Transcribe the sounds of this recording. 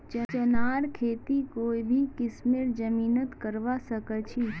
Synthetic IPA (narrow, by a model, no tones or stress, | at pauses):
t͡ʃət͡ʃənaːɾkʰeːt̪ikoːibʱikɪsmeɾd͡ʒəmiːnət̪kəɾʋasəkət͡ʃʰi